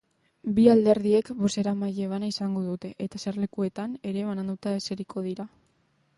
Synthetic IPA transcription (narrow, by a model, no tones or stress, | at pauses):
biald̪e̞ɾðie̞kβo̞se̞ɾamajeβ̞anaisaŋɡo̞ðut̪e̞ʔet̪asaɾle̞kue̞t̪ane̞ɾe̞βanand̪ut̪ae̞se̞ɾikʰo̞ð̞iɾa